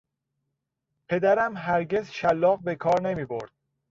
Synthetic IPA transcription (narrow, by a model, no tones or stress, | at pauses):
pʰe̞d̪æɾæmɦæɾɟe̞zʃælːɒːɣbe̞kʰɒːɾne̞miːboɾd̪̥̚